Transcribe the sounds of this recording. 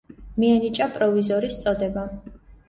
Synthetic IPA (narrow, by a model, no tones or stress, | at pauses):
miɛnit͡ʃʼapʼɾɔvizɔɾist̪sʼɔd̪ɛba